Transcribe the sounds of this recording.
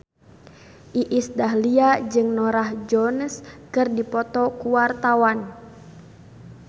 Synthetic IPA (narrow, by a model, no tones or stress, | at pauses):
ʔiʔisdaɦliad͡ʒɨŋnɔɾahd͡ʒɔnskɨrdipɔt̪ɔkuwart̪awan